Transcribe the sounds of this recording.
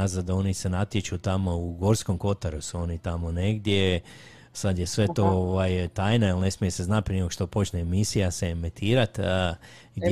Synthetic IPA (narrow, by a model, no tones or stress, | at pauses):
azad̪o̞nise̞nat̪jet͡ʃut̪amo̞uɡo̞ːɾsko̞mko̞t̪aɾusuo̞nit̪amo̞ne̞ɡd̪je̞ | sad̪je̞sʋe̞t̪o̞oʋajt̪aːjnailne̞smijese̞znat̪̚pɾinekoʃt̪o̞po̞t͡ʃneːmisijasemet̪ʰiːɾat̪ | ɡd̪